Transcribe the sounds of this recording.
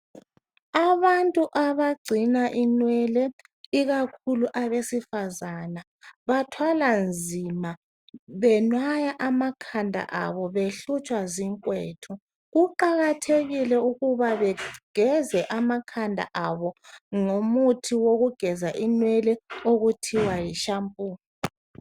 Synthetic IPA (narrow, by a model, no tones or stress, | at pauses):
aβantʼuʔaβaɡ͡ǀʱinaʔinwɛlɛ | iɣakʰuluʔaβesifazana | βatʰwaland͡zʱima | βɛnwajaʔamakʰandʱa̰ʔa̰βɔβeɬut͡ʃʼwaziŋkʼwetʰu | ɣuǃaɣatʰeɣilɛuɣuβaβɛɡ̥ʱɛzɛʔamakʰandʱa̰ʔaβɔŋomutʰiwoɣuɡ̥ʱɛzaʔinwɛlɛoɣutʰiwajiʃampʼuː